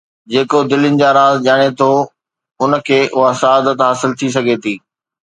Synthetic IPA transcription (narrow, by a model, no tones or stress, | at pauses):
d͡ʑeːkod̪ɪlɪnɪ̆d͡ʑaːɾaːzd͡ʑaːɽ̃et̪ʰo | ʊnəkʰeːʔʊɦasɐaːd̪ət̪ɦaːsɪlt̪ʰis̬ɐɡʱet̪ʰiː